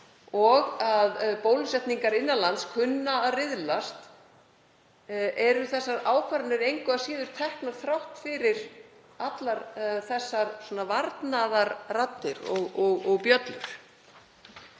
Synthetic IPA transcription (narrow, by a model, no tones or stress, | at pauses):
ɔɣaðpoːwlsɛht̪niŋkaɾɪnːalant̪skʰʏnːaːrɪðlast̪ | ʔɛɾʏθɛsːaɾaːwkʰvaɾʏnɪɾejŋkʏvasiːðʏɾ̥t̪ʰɛhknaɾ̥θɾawht̪fɪɾɪɾ̥ | at̪laɾθɛsːaɾswɔːnavaɾt̪naðaɾrat̪ːɪɾɔɣɔɣɔɣpjœt̪lʏɾ̥